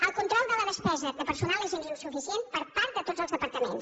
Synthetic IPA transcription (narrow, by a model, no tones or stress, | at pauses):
əlˠkunt̪ɾɔlˠd̪ələðəspɛzəðəpəɾsunalezenriuwsufisienpəɾpaɾt̪̚d̪ət̪od͡zəlˠzðəpəɾt̪əmḛns